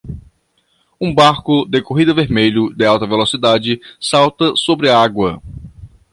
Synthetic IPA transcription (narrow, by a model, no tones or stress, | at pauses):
ũbaɾkʊd̪ekoɦid̪ɐveɾmeʎʊd̪ɪawt̪ɐvelosid̪ad͡ʒɪsawt̪ɐsobɾɪaɡwɐ